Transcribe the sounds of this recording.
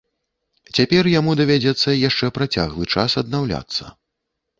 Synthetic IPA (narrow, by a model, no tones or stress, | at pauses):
t͡sʲapʲɛrjamud̪ɐvʲad͡zʲɛt̪sːɐjaʂt͡ʂɛpɾat͡sʲa̰ɣlˠɨt͡ʂasɐd̪nawlʲa̰t̪sːɐ̰